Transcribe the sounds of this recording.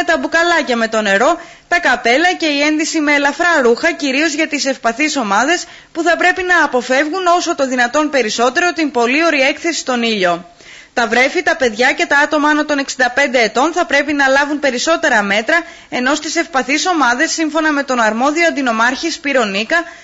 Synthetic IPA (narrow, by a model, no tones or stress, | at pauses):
et̪ɐbukɐlɐcɐme̞t̪o̞ne̞ɾo̞ | t̪ɐkɐpe̞lɐce̞ie̞nðisime̞ːlɐfɾɐɾuxɐciɾio̞zʝɐt̪ise̞fpɐθiso̞mɐðe̞s | puθɐpɾe̞pinɐːpo̞fe̞vɣuno̞so̞t̪o̞ðinɐt̪o̞npe̞ɾiso̞t̪e̞ɾo̞t̪impo̞lio̞ɾie̞kθe̞si̥st̪o̞niʎo̞ | t̪ɐvɾe̞fit̪ɐpe̞ðʝɐce̞t̪ɐɐt̪o̞mɐɐnot̪o̞ne̞ksind̪ɐpe̞nd̪e̞ːt̪o̞nθɐpɾe̞pinɐlɐvunpe̞ɾiso̞t̪e̞ɾɐme̞t̪ɾɐ | e̞no̞st̪ise̞fpɐθiso̞mɐðe̞sːiɱfo̞nɐme̞t̪o̞nɐɾmo̞ðio̞ɐnd̪ino̞mɐɾçispiɾo̞nikɐ